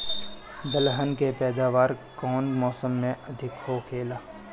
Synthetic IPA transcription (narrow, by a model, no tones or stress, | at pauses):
d̪əlɦənkepɛːd̪aːʋaːɾkɔːnmɔːsəmːẽɐd̪ʱɪkɦokʰeːlaː